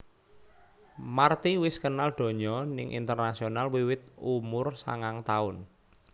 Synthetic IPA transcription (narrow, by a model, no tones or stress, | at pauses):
mart̪iwɪskənald̪̥o̤ɲɔnɪ̰ŋʔḭnt̪ərnasionalwiwɪt̪̚umʊrsa̰ŋaŋt̪aʊn